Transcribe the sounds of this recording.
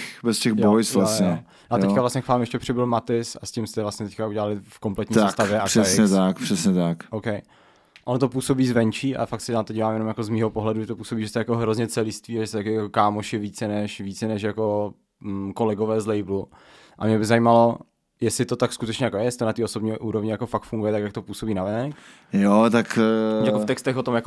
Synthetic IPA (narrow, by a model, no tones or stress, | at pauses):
bɛscɛɣjbojsvlasɲɛ | nat̪ɛckavlasɲɛkvaːmjɛʃcɛpr̥ɪbɪlmat̪ɪsascɪmst̪ɛvlasɲɛt̪ɛckauɟɛlalɪfko̞mplɛt̪ɲːsskt̪avjɛʔḁɛɲɛt̪akpr̥ɛsɲɛt̪akʔowkɛj | ʔonot̪̬opuːso̞biːzvɛnt͡ʃiːʔa̰fak̪sɛnat̪oɟiːvaːmjɛno̞mjakozmiːɦopoɦlɛduʒɛt̪opuːsobiːʒɛst̪ɛjakoɦɾozɲɛt͡sɛlɪst̪viːaʒɛst̪ɛt̪akɪjakokaːmoʃɪviːt͡sɛnɛʃviːt͡sɛnɛʃ̬jako | kolɛɡovɛːzlɛjblu | ʔa̰mɲɛbɪzajimalo̞ | jɛslɪt̪ot̪akskut̪ɛt͡ʃɲɛjakojɛjɛsɪt̪onat̪iːo̞sobɲiːʔuːɾovɲɪjakofakt̪fuŋɡujɛt̪akjak̚t̪o̞puːsobiːnavɪnɛk | jot̪akjakoft̪ɛkst̪ɛxvot̪omjako